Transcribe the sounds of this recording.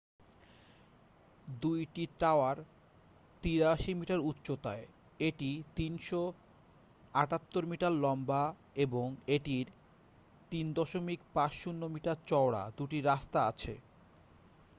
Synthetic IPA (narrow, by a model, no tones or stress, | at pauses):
d̪ujʈiʈaoaɾ | t̪iɾaʃimiʈaɾutːɕot̪ae | eʈit̪inʃo | aʈat̪ːoɾmiʈaɾlɔmba | eboŋeʈiɾ | t̪ind̪ɔʃomikpat͡ɕʃunːomiʈaɾt͡ɕɔoɽa̰d̪uʈiɾast̪aat͡ɕʰḛ